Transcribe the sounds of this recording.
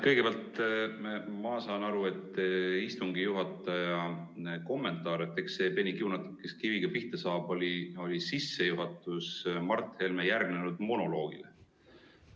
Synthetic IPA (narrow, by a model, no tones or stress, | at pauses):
kɤjɡ̥e̞peɑlt̪ː | mɑsɑːnɑɾue̞t̪ːˑist̪uŋɡijuɦɑt̪ːˑɑjɑ | ko̞mːe̞nt̪ˑɑːɾe̞t̪ːˑe̞ksːe̞ːpe̞nʲikiunɑt̪ːikːeskiviɡ̥ɑpiht̪ɑsɑːb̥olʲio̞lʲisisːe̞juɦɑt̪ːˑusmɑrt̪ˑhelmejærɡ̥ne̞nud̪̥mo̞no̞lo̞ːɡ̥ḭle